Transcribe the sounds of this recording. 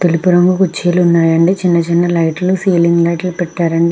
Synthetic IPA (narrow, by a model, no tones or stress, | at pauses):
t̪elupuɾɐŋɡukut͡ʃːeːlunːaːjɐɳɖit͡ʃinːɐt͡ʃinːɐlɐjʈlusiːliŋɡlɐjʈlupɛʈːaːɾɐɳɖi